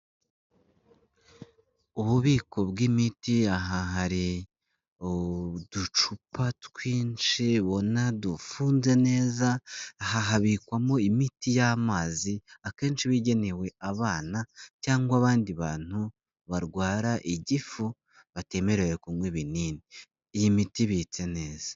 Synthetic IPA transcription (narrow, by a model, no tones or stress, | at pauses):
uβuβiːko̞bɡimitiaɦaɦaɾi | d̥ut͡ʃupatkwiːnt͡ʃiβo̞nadufuːnze̞ne̞ːzaːhaɦaβikwamoimitijamaːziake̞ːnʃiβiɟe̞ne̞we̞ʔaβaːnacaːŋɡwaβaːndiβaːn̥hu | βaɾɡwaːɾaʔiɟifu | βate̞me̞ɾe̞jekumweβiniːni | ijimitiβit͡se̞ne̞ːz̥ḁ